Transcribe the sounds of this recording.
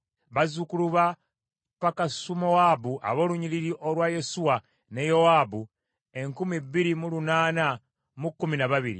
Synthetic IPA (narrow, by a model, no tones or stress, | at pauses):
βazukuluβa | pakasumo̞waːbuʔa̰βo̞ːluɲiliɾiʔolwaje̞suwa | ne̞jo̞wabu | e̞ŋkumibːiɾimulunaːna | mukːuminaβaβiɾḭ